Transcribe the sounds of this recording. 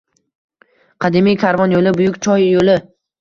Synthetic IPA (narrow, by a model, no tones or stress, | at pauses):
qʰɑd̪ɪmijkʰʲaɾvɒnjolɪbʊjʊkʲt͡ʃʰɒjːolɪ